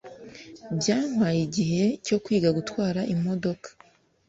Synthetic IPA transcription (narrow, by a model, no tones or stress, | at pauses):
bjaːŋ̥wajiɟiɦe̞co̞kwiːɡaɡutwaːɾaʔimo̞do̞kʰḁ